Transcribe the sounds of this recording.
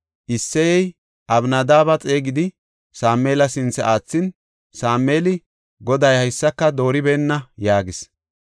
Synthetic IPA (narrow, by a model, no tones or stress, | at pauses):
ʔɪsːɛjɛj | ʔɐbnɐd̪aːbɐt͡sʼe̞ːɡɪd̪ɪ | saːme̞ːlɐsɪnt͡sːɛaːt͡sːɪn | saːmːe̞ːlɪ | ɡɔd̪ɐjhɐjsːɐkːɐd̪o̞ːɾɪbɛːnːɐjaːɡɪs